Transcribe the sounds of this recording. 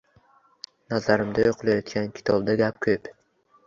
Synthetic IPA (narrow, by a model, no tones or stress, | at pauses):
nazaɾɪmd̪ajoqʰɨlajɒt̪ɡʲankʲʰɪ̥t̪ʰɒbd̪aɡʲap̚kʰɵp